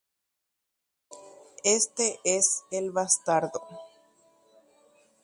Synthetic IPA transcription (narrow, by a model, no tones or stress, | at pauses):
est̪eʔeselβast̪aɾðo